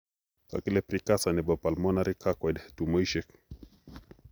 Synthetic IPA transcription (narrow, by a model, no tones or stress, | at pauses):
ka̰kilɛpɾikasanɛbɔpalmɔnaɾikʰakɔdtumɔiʃɛk